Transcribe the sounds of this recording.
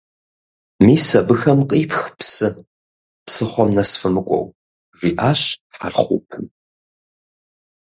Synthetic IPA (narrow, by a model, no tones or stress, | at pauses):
miːsɐbɨxɐmqʼiːfxpsɨ | psɨχʷɔmnɐsfɨmɨkʷʼɔ̰w | ʐiːʔaːɕt͡sʼa̰rχʷṵpʰɨn